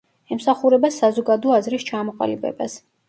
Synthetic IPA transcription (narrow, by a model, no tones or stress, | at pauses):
ɛmsaχuɾɛbasazɔɡad̪ɔazɾist͡ʃʰamɔqʼa̰libɛ̰bas